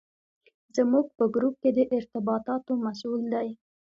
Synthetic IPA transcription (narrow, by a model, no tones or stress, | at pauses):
zəmuɡ̚pəɡɾup̚ked̪əʔɪɾt̪ɪbɑt̪ɑt̪omasuld̪aj